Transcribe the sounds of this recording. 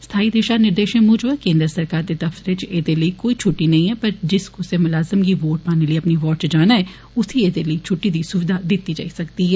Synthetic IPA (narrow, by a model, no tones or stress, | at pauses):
st̪ʰaːid̪eʃanɪɾd̪eːʃə̃mʊːd͡ʒbəkẽːnd̪ɾəsɐɾkaːɾd̪et̪ɐfsɪɾet͡ʃeːd̪eləikoːit͡ʃʰʊʈːinɐĩɦɛpɐɾd͡ʒɪskosemʊlaːzəmkiʋoːʈ̚paːneləiɐpniʋɔːʈt͡ʃd͡ʒaːnaɦɛː | ʊsieːd̪eləit͡ʃʰʊʈːid̪isʊʋɪd̪ad̪ɪt̪id͡ʒa̰ːisɐkt̪iɦɛː